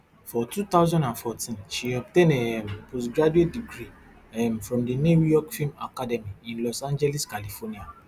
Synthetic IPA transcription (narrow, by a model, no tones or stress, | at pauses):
fɔtut̪aʊzãndãnfɔtĩnʃiɔp̚tẽnɛmpos̬ɡɹad͡ʒuet̚diɡɾi | ɛmfɹɔ̃mdinujɔkfilma̰kadɛmiĩnlɔsãnd͡ʒɛlɛskalifɔnia